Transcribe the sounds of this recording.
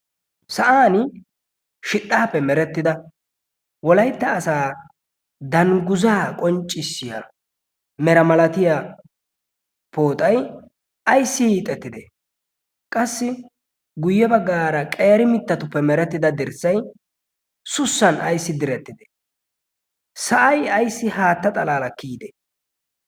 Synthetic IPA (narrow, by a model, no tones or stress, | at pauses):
sɐʔaːn | ʃɪt̪ʼːaːpːɛmɛɾɛt̪ːɪd̪ɐ | wɔlɐjt̪ːɐːsaː | d̪ɐŋɡʊzaːkʼɔnt͡ʃʼːɪsːɪja̰ | mɛɾɐmɐlɐt̪ɪja | poːt̪ʼɐj | ɐjsːɪhiːt̪ʼɛt̪ːɪd̪ɛ | kʼɐsːɪ | ɡʊjːɛbɐɡːaːɾɐkʼɛjɐɾɪmɪt̪ːɐt̪ʊpːɛmɛɾɛt̪ːɪd̪ɐd̪ɪɾsːɐj | sʊsːɐnʔɐjsːɪd̪ɪɾɛt̪ːɪd̪ɛ̥ | sɐʔɐjɐjsːɪhaːt̪ːɐt̪ʼɐlaːlɐkːiːd̪ɛ